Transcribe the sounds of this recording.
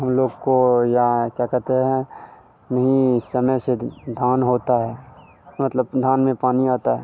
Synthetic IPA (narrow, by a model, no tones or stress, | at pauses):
ɦɐmloːɡkojakjaːkɛɾt̪eɦɛ̃ | nɐɦĩsɐməjsed̪ʱaːnɦoːt̪aɦɛː | mɐt̪ləbd̪ʱaːnmẽpaːniaːt̪aɦɛː